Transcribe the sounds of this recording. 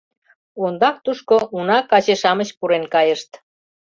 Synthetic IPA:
ond̪ɑk̚t̪uʃkoʔunɑkɑt͡ɕeʃɑməɕpuɾenkɑjəʃt̪

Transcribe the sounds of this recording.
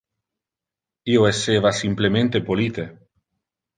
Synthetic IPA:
ioeseβasimplemẽnt̪epolit̪e

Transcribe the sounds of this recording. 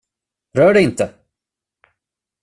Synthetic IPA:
ɾœːɖɛɪnt̪ə

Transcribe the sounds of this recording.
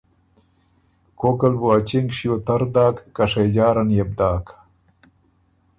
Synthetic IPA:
koːkɐlbuɐt͡ɕiŋɡʂiot̪ɐɾd̪aːkːɐʂɐjd͡ʑaːɾɐnjeb̚d̪aːk

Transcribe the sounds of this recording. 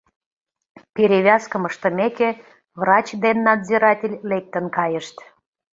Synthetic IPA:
peɾʲeβʲɑskəməʃt̪ə̆meke | vrɑt͡ɕd̪enːɑd̪ziɾɑtʲelʲlek̚t̪ənkɑjəʃt̪

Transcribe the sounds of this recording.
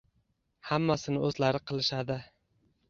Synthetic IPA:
hamːasɪnɪɵzlaɾɪqʰɨlˠɪʃad̪ɪ

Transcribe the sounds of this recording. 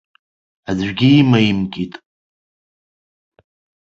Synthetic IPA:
adɥʷᶣɡʲiːmaimkʲʼitʼ

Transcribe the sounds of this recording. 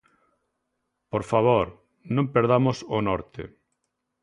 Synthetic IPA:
poɾfaβ̞oɾ | nõmpeɾð̞amosonɔɾt̪ɪ̰

